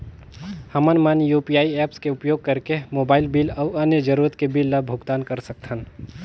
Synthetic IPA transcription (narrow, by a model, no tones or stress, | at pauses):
hɐmənmanjuːpijaːiɛːpskeʊpjoːɡ̚kəɾkemoːbaːɪlbiːlɐʊɐnjəd͡ʒəɾuːɾət̪kebilːəbʱʊɡt̪aːnkəɾsɐk̚t̪ʰən